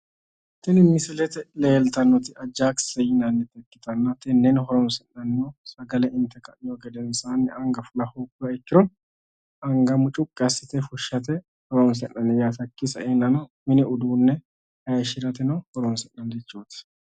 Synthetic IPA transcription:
t̪ɛnɪmɪsɪlɛt̪ɛleːlt̪ɐnːɔt̪ɪɐd͡ʒːaːksɛjɪnɐnːɛt̪ɛkːɪt̪ɐnːɐt̪ɛnːɛnɦɔɾɔnsɛnːɐnːɔsɐɡɐlɛʔɪnt̪ɛkɐnɪjɔɡɛd̪ɛnsaːnːɛɐŋɡɐfʊlɐhukːʊɾɐɛkːɪɾɔn | ɐŋɡɐmʊt͡ʃʼʊkʼːɪɐsɪt̪ɛfʊʃːɐt̪̬ɛ | hɔɾɔns̬ɛnːɐnːɛjaːt̪ɐkːɪsɐenːɐnɐmɪnɛʊd̪uːnːɛ | hɐʃɪɾɐt̪ɛnɐhɔɾɔnsɛnːɐnd̪ɛt͡ʃːoːt̪ɪ̥

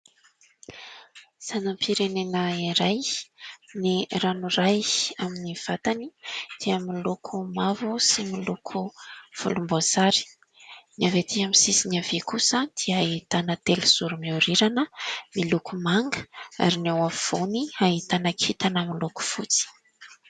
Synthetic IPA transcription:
z̥anampiɾenenəiɾaj | niranurajaminiv̥at̪anid̪̥iamilukʰumavusimilukʰuv̥ṵlumbazaɾi̥ | niavet̪iaminsisiniavekusəd̪̥iəit̪anət̪eliz̥uɾumiuɾiɾanəmilukumaŋɡə̥a̰ɾinawav̥oniaɦit̪anakʰit̪anaminluku̥fut͡si̥

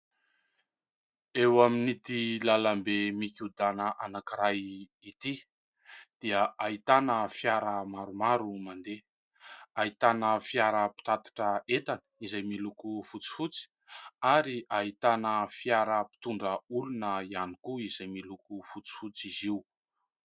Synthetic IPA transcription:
ewaminit̪ilalambemikʲud̪anəʔanakiɾajit̪i | d̪̥iəʔait̪anəfiaɾəmaɾumaɾumand̪e | ait̪anəfiaɾəpi̥t̪at̪ḁʈ͡ʂəet̪anə̥izajmilukufut͡si̥fut͡si̥ | aɾiaɦit̪anəfiaɾəpi̥t̪uɳɖ͡ʐəulunəianikuizajmilukufut͡si̥fut͡siziu

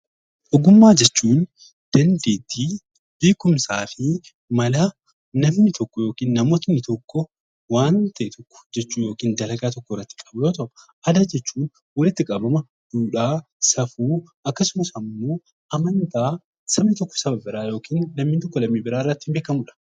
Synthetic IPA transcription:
ʔɔɡʊmːaːd͡ʒɛt͡ʃːuːn | d̪̥ɐnd̪eːd̪iː | b̥eːkʊmsaːfɪ | mɐla | nɐmnɪt̪ʰɔkːɔjo̞ːkiːnːɐmoːt̪ɐnːɪt̪ɔkːɔ | waːnt̪ʰɐʔɛt̪ɔkːɔ̥d͡ʒɛt͡ʃːuːjo̞ːkiːnd̪ɐɾɐɡaːt̪ɔkːɔrːɐt̪ːɪ̥kʼɐboːt̪ɔʔʊ | ʔɐd̪ad͡ʒɛt͡ʃːuːn | wɐlɪt̪ːɪkʼɐbɐmɐ | d̪uːᶑaː | sɐfuːɐkːɐsʊmɐsɐmːo̞ː | ʔɐmɐnt̪aː | sɐmnɪt̪ɔkːɔ̥sɐbɐbɪɾaːjo̞ːkiːnːɐmnɪt̪ɔkːɔlɐmːibɪɾaːɪrːɐt̪ːɪmbe̞ːkɐmuᶑɐ̥

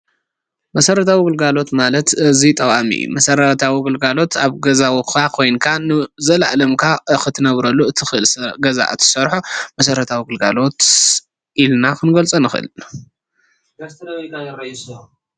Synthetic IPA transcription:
mɐsɐɾɐt̪ʰawiɡɨlɡalo̞t̪malɐt̪ɨzit̪ʼɐwʼamḭjṵmɐsɐɾɐt̪ʰawiɡɨlɡalo̞t̪ʰaβɡɐzawikakʰojnkʰanɨzɐlʔalɐmkʰaxɨt̪ʰɨnɐβɾɐlːuɨt̪ʰɨxɨɨlsɡɐza̰ʔɨt̪ʰɨ̥sɐɾħumɐsɐɾɐt̪ʰawiɡɨlɡa̰lo̞t̪ | ʔilnakʰɨnɡɐlt͡sʼɐnɨxʔɨ̰l | ɡɐst̪ʰnɐβɐɡajɐɾɐs

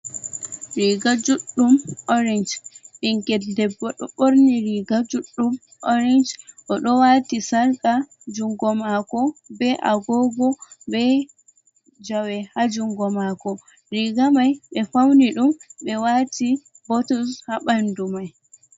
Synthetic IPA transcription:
ɾiɡad͡ʒuɗːumɔɾɛnd͡ʒɓiŋkɛdɛbɔɗɔɓoɾniɾiɡad͡ʒuɗːum | ɔɾɛnd͡ʒʔɔɗɔwatisaɾka | d͡ʒuŋɡɔmakɔbɛʔaɡɔɡɔbɛ | d͡ʒawɛhad͡ʒuŋɡɔmakɔ | ɾiɡamajɓɛfawniɗumɓɛwati | bɔtushaɓandumaj

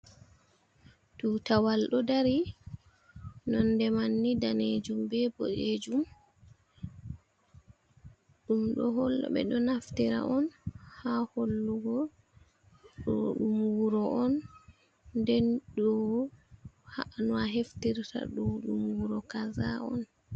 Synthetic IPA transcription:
duːtawalɗɔdaɾi | nɔndɛmanːidaned͡ʒumbɛbɔ̰ʔed͡ʒum | ɗumɗɔɦɔlːɔ̰ɓɛ̰ɗɔnaftiɾa̰ʔɔnhaholːuɡɔ | ɗɔɗumwuɾɔʔɔn | dɛnɗɔ | haʔnuaɦeftiɾta̰ɗɔɗumwɾɔkazaɔn

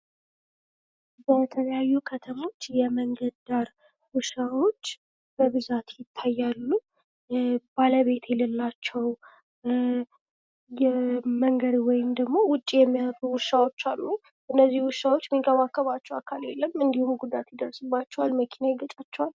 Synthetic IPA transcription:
bət̪ʰələjajːukʰət̪ʰəmo̞t͡ʃːjɛməŋɡəd̪d̪aɾ | wuʃawo̞t͡ʃː | b̥əβɨzat̪jɪt̪ʰːajːalːu | baləβe̞t̪ʰjɛləlːat͡ʃːɛw | jɛməŋɡəd̪wɔjɪmd̪əɡmo̞wʊt͡ʃʼːijɛmːit̪ʼuwʊʃawo̞t͡ʃːalːu | ʔɨnːəzːihwʊʃawo̞t͡ʃːmikəβakːəβat͡ʃːɛwakʰalelːəmɨnd̪ihumɡud̪at̪jɪd̪ərsɨbːat͡ʃːɛwalməkʰinajɪɡət͡ʃʼat͡ʃːɛwal

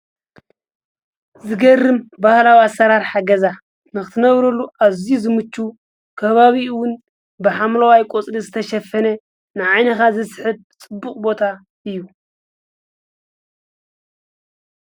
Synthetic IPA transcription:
zɨɡɐrːɨmbahlawiasːɐɾaɾħaɡɐza | nɨxɨt̪ʰɨnɐβɾɐlːuʔaβzizɨmɨt͡ʃːu | kʰɐβaβiwʊn | bɨħamlowajkʼot͡sʼɾizɨt̪ʰɐʃɐfɐnɐ | nɨʕajnɐkazɐsħɨb̚t͡sʼɨbːuχʼbo̞t̪ʰa | ɨjːu

